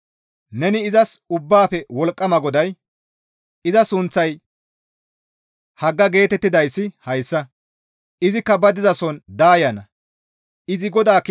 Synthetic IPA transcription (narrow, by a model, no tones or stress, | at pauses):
nɛnɪːzɐsʊbːaːpɛwɔlkʼːɐmɐɡɔd̪ɐj | ɪzɐsʊnt͡sːɐj | hɐɡːɐɡe̞ːt̪ɛt̪ːɪd̪ɐjsːɪhɐjsːɐ | ɪzɪkːɐbɐd̪ɪzɐsɔnd̪aːjɐnɐ | ɪzɪɡɔd̪aːk